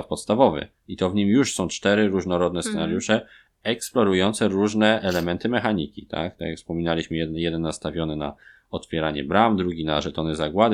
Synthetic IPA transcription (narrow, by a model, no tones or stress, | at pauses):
fpɔt̪st̪avɔvɘ̰ | it̪ɔvɲimjuʂsɔ̃w̃t͡ʂt̪ɛɾɘɾuʐnɔɾɔd̪̚nɛst̪sɛnaɾjuʂɛ | ɛksplɔɾujɔnt̪sɛɾuʐnɛʔɛlɛmɛnt̪ɘmɛxaɲikʲit̪ʰa̰k̚t̪akʲjakfspɔmʲinalʲiɕmɘjɛjɛd̪ɛnːast̪avʲjɔnɘna̰ | ɔt̪fʲjɛɾaɲɛ̰bɾamd̪ɾuɡʲinaʐɛt̪ɔnɘzaɡwad̪